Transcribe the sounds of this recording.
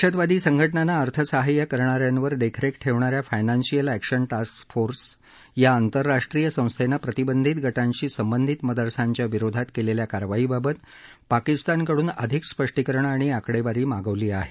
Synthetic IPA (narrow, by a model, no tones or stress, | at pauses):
ɕət̪ʋad̪iːsəŋɡʱəʈɳanaəɾt̪ʰəsaɦajəkəɾɳaɾjanʋəɾd̪ekʰɾekʈʰeʋɳaɾjafajnansijəlækɕənʈasksfoɾs | jaːnt̪əɾːaʂʈɾijəsə̃w̃st̪ʰenapɾət̪ibənd̪ʱit̪ɡʱəʈaɲt͡ɕiːsəmbənd̪ʱit̪məd̪əɾsaɲt͡ɕjaʋiɾod̪ʱat̪keleljakaɾʋaɦiːbabət̪ | pakist̪ankəɽuːnə̰d̪ʱikspəʂʈikəɾəɳaɽ̃iakɽeʋaɾiːmaɡəʋliːaɦe